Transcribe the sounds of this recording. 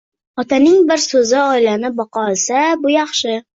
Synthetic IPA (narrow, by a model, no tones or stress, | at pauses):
ɒt̪ʰanɪŋbɪɾsɵzɪɒɪlanɪbɒqʰɒlˠsabʊjɑχʃɪ